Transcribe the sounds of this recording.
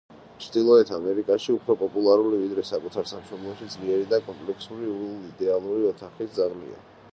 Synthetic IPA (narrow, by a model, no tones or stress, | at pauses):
t͡ʃʰd̪ilˠɔɛt̪ʰamɛɾikʼaʃiupʰɾɔpʼɔpʼulˠaɾulivid̪ɾɛsakʼut̪ʰaɾsamʃɔblˠɔʃid̪zliɛɾid̪akʼɔmpʼlɛkʰsuɾiuliːd̪ɛalˠuɾiɔt̪ʰaχisd̪zaʁlḭa̰